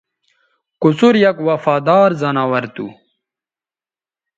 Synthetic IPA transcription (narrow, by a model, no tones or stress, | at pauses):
kusuɾjɐkwɐfaːd̪aːɾzɐnaːwɐɾt̪ṵ